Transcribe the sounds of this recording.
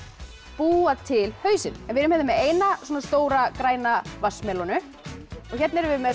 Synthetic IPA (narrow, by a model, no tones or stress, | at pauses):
puːat̪ʰɪlhœːɥsɪnɛnvɪɾʏmhɛðʏmːɛeːjnaswuɔnast̪oːwɾakɾaːjnavasmɛlɔnʏ | ɔɣçɛt̪nɪɾvɪmɛ